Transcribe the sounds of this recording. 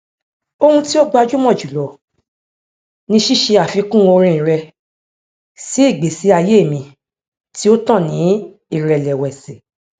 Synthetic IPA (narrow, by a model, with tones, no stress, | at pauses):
o˧hũ˧ti˦o˦ɡ͡ba˧d͡ʒu˦mɔ̃˦˨d͡ʒu˨lɔ˨ | nĩ˧ʃi˦˨ʃe˧a˨fi˨˧˦kũ˦˨o˧ɾ̃ĩ˧ĩ˨ɾɛ˧ | si˨˦i˦˨ɡ͡be˨si˨˦a˧je˦˨mĩ˧ | ti˦o˦tã˦˨nĩ˨˦ | i˦˨ɾɛ˨lɛ˨wɛ˨se˨